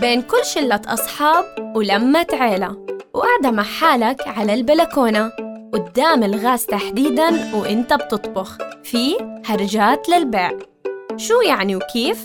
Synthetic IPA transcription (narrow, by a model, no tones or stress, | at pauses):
beːnkʊlːʃɪlːat̪ʔɑ̰sˤħɑːb̚wlamːat̪ʕeːla̰wʔaʕd̪amaħaːlakʕalalbalakoːnawɪd̪ːaːmɪlɣaːzt̪aħd̪iːd̪anwʔɪnt̪ab̚t̪ɨt̪ˤbʊxfihɑɾˤd͡ʒaːt̪lɪlbeːʔ | ʃuːjaʕniwkʰiːf